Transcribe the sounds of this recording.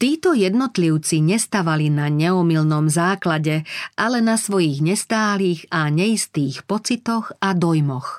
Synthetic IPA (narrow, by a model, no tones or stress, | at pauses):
t̪iːt̪ɔjɛd̪nɔt̪liʊt͡siɲɛst̪aʋalinaɲɛɔmilnɔmzaːklaɟɛʔalɛnasʋɔjiɣɲɛst̪aːliːɣaɲɛist̪iːxpɔt͡sit̪ɔxad̪ɔjmɔx